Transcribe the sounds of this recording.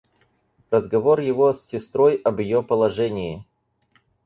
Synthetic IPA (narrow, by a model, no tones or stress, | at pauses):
rəzɡɐvorjɪvosʲːɪst̪ɾo̞jɐbjɪjopəlˠɐʐɛnʲɪɪ